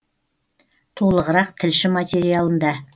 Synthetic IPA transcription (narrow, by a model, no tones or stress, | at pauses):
t̪ʰolˠəʁəɾɑqt̪ʰɪlʃɪmat̪ʲe̞ɾijalˠənd̪ɑ